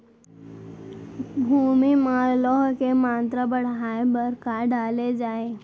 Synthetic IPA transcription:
bʱumimalɔɦkemãnt̪ɾəbəɽ̤ajebəɾkaɖaled͡zae

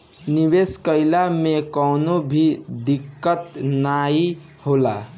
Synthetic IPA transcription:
niʋeskəɪlamekəʊnobʱid̪ikːət̪nai | hola̰

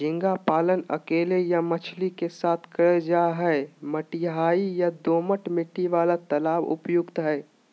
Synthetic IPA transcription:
d͡ʒɪ̃ŋɡapaːlənə̰keːlejamət͡ʃʰlikesaːt̪ʰkəɭed͡ʒaɦɛməʈiɦaːijad̪oːməʈmɪʈːiʋaːlat̪əlaːbʊ̰pjʊɡt̪ɦɛː

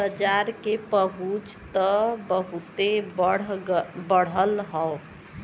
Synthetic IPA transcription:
bəd͡ʒaɾkepəɦut͡ʃt̪əbəɦut̪ebəɽbəɽ̤əlɦɔ

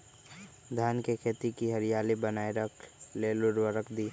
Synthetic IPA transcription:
d̪ʱjaːnkekʰeːt̪ikiɦəɾɪijaːlibənaːeɾəkʰleːlʊɾwəɾəkʰd̪iː

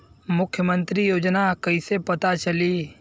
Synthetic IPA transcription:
mʊkʰjəmə̃nt̪ɾijoːd͡ʒnakɐisepɐt̪at͡ʃɐli

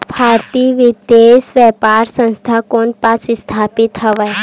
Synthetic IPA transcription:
bʱaɾt̪iʋid̪esʋɛpaɾsə̃nst̪ʰakoɳpasst̪ʰapit̪ɦəʋa

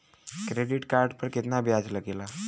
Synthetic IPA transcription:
kɾeɖiʈkaɾɖpəɾket̪nabʱjad͡zləɡela

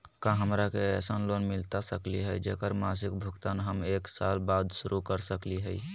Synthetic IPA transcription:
kãɦəmɾakeɛsənlonmɪlt̪asəkliɦɛid͡ʒekəɾmasɪk̚bʱəkt̪anɦəmeksa̰lbad̪ʃʊɾukəɾsəkliɦɛi

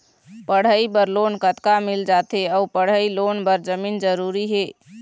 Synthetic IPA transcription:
pəɽ̤əibəɾlonkət̪kamild͡ʒat̪eəupəɽ̤əilonbəɾd͡ʒəmiːnd͡ʒəɾuɾiɦeː

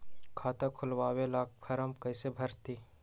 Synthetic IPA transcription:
kʰaːt̪ãkʰʊlʋaːwelaːk̚pʰɐɾəmkɐɪsebʱɐɾt̪iː

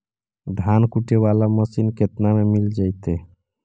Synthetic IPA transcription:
d̪ʱankuʈeʋalaməsinket̪namemild͡ʒajt̪e

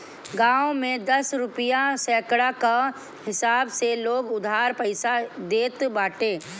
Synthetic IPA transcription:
ɡãːõmẽd̪ɐsɾʊpɪjasɛːkɽaka | hɪsaːbseloːɡʊd̪ʱaːɾpəɪsad̪eːt̪baːʈeː

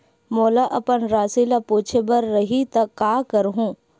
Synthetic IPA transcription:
moːlaʔɐpənɾaːsilapuːt͡ʃʰebɐɾːɐɦit̪ɐkːaːkəɾɦũː

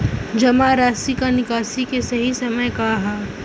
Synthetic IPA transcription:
d͡ʒɐmaɾaːsikanɪkaːsikesɐɦisɐməjkaɦɛː

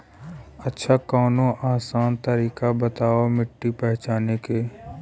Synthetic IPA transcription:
ətːʃʰakaːnõʔaːsaːnt̪əɾiːkabət̪aːomɪʈːipɛɦt͡ʃaːneke

